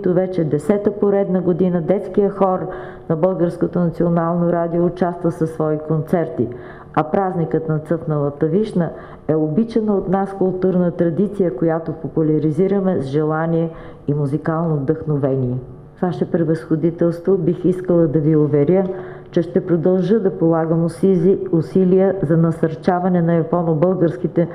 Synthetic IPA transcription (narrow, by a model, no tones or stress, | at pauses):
t̪ovɛt͡ʃɛd̪ɛsɛt̪əpoɾɛd̪nəɡod̪inəd̪ɛt̪skijəxɔɾ | nɐbɤlˠɡəɾskot̪onɐt̪sionalˠnoɾad̪ioːt͡ʃast̪vəsəsːvɔikont̪sɛɾt̪ḭ | ɐpɾaznikət̪nɐt̪sɤfnəlˠət̪ɐviʃnə | ɛobit͡ʃɛnəot̪naskʊlˠt̪uɾnət̪ɾɐd̪it̪sijəkojat̪opopulʲɐɾiziɾəmɛzʒɛlˠaniɛ | imuzikalˠnovd̪əxnovɛniɛ | vaʃɛpɾɛvəsxod̪it̪ɛlˠst̪vobixiskəlˠəd̪ɐviʊvɛɾʲə | t͡ʃɛʃt̪ɛpɾod̪ɐlˠʒəd̪ɐpolˠaɡəm | ʊsilijəzɐnɐsɐɾt͡ʃavɐnɛnɐjɐpɔnobɤlˠɡəɾskit̪ɛ